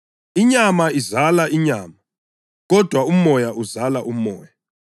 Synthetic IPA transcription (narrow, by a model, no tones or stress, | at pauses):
iɲamaizalaʔiɲaːma | ɣɔd̥ʱwaumɔjaʔuzalaʔumɔ̰ːja